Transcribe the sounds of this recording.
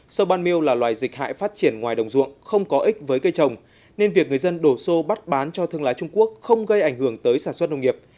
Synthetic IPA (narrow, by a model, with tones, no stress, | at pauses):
sə˧wɓaː˧nmi˧əwlaː˨˩lwaː˨˩jzï˨˩k̟̚ha̰ː˧˨jfaː˦˥t̚t͡ɕi˧˩ənŋwaː˨˩jɗə˨˩wŋ͡mzṵ˧˨ənxə˧wŋ͡mkɔ˨˦ʔï˦˥k̟̚vəː˨˦jkə˧jt͡ɕə˨˩wŋ͡m | ne˧nvi˨˩ək̚ŋɨ˨˩ə˩jzə˧nɗo˧˩so˧ɓa˦˥t̚ɓaː˨˦nt͡ɕɔ˧t̪ʰɨ˧əŋlaː˨˦jt͡ɕʊ˧ŋ͡mku˦˥ək̚xə˧wŋ͡mɣə˧jʔa˧˩jŋ̟hɨ˧˩əŋt̪əː˨˦jsaː˧˩nswə˦˥t̚nə˧wŋ͡mŋi˨˩əp̚